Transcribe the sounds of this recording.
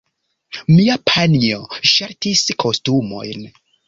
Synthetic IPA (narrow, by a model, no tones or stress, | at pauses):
miapʰanioʃaɾtiskʰo̞stumo̞̰jn